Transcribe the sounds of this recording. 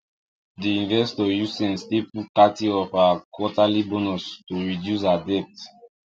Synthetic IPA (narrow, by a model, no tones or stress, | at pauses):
diĩnvɛstɔjusɛ̃nstipukatiɔfakʰwɔtalibɔnɔstuɹidjus̬adɛp̚t